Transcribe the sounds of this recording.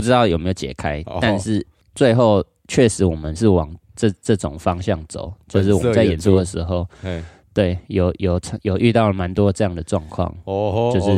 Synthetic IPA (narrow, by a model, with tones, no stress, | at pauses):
u˥˩ɻ̩˥t̪ɑ˥˩ʊjo˨˩me˧˥jo˧ʊt͡ɕjɛ̰˨˩kʰa˦ɪt̪a˥˧nʂɻ̩˥˩ | t͡swe˥˧ɪxo˥˧ʊ | t͡ɕʰɥɛ˥˩ʂɻ̩˨˧˦wɔ˨˩mə˦nʂɻ̩˥˩wɑ˨˩ŋ | ʈ͡ʂɤ˥˧ʈ͡ʂɤ˥˩ʈ͡ʂʊ˨˩ŋfɑ˦ŋɕjɑ˥˩ŋt͡so̰˨˩˦ʊt͡ɕjo˥˧ʊʂ̬ɻ̩˥˩˨wə˦t͡sa˥˩ɪjɛ˨˩nsu˥˩d̪ə˨˩ʂɻ̩˧˥ɦo˥˧ʊ | t̪we˥˩ɪjo˨˩ʊjo˨˩ʊ˥jo˨˩ʊʔy˥˧t̪ɑ˥˩ʊlə˩ma˧˦nt̪wɔ˦ʈ͡ʂɤ˥˧jɑ˥˩ŋd̪ə˩ʈ͡ʂwɑ̰˥˧ŋkʰwɑ̰˥˨ŋt͡ɕo˥˧ʊʂɻ̩˥˨